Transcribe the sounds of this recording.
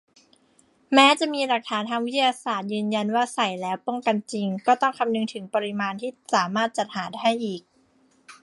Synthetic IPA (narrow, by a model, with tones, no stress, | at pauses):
mɛː˦˥t͡ɕa˨˩ʔmiː˧ɾa˨˩k̚t̪ʰaː˩˦nt̪ʰaː˧ŋwi˦˥t̪ʰa˧jaː˧saː˨˩t̪̚jɯː˧nja˧nwaː˥˩sa˨˩jlɛː˦˥wpo˥˩ŋka˧nt͡ɕi˧ŋkɔː˥˩t̪ɔ˥˩ŋkʰa˧mnɯ˧ŋt̪ʰɯ˩˦ŋpa˧ɾi˧˥maː˧nt̪ʰiː˥˩saː˩˦maː˥˩t̪̚t͡ɕa˨˩t̪̚haː˩˦da˥˩ɦa˥˩jʔiː˨˩k̚